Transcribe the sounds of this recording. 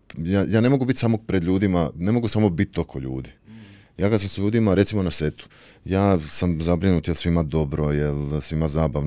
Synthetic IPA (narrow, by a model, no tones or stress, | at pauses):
jaːjaːne̞mo̞ɡubit̪ʲsamoɡ̚pɾed̪ʎuːd̪imane̞mo̞ɡusamo̞bit̪ːo̞kʰoʎṵːd̪i | jaːkad̪samsʎuːd̪imaɾe̞t̪simo̞naset̪u̥ | jaːsamzabɾinuːt̪jelsʋimad̪o̞bɾojelsʋimazaːbaʋn